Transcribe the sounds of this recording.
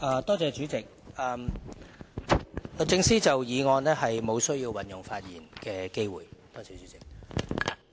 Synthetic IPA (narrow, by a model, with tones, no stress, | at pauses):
ʔɐː˨˧t̪ɔː˥t͡sɛː˧t͡ʃyː˨˥t͡sɪ˨k̚ʔɐː˨m | lɵ˨t͡sɪ˥˧ŋsiː˥t͡sɐ˨wjiː˨˧ŋɔː˧nɛː˥hɐ˨jmo˨˧wsɵ˥ɥjiː˧wwɐ˨njʊ˨ŋfaː˧t̚jiː˨˩nkɛː˧ke˥jwuː˨˩jt̪ɔː˥t͡sɛː˨t͡ʃy˨˦t͡sɪ˨k̚